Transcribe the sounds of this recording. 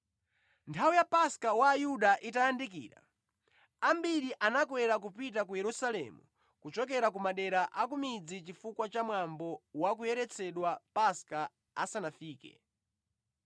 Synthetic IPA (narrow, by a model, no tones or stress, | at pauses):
ntʰaujapaskawaːjuɗaʔitajandikḭːɾa̰ | ambiɾiʔanakwɛɾak̬upit̬ak̬ujɛɾusalɛ̰mṵ | kut͡ʃɔk̬ɛɾak̬umaɗɛɾaʔakumid͡zit͡ʃifukwat͡ʃamwambɔwakujɛɾɛt͡sʰɛɗwapaska | a̰sanafiːkɛ̰